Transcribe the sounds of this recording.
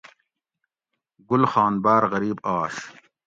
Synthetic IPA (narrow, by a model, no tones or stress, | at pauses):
ɡʊlxɑːnbaːɾɣɐɾiːbaːɕ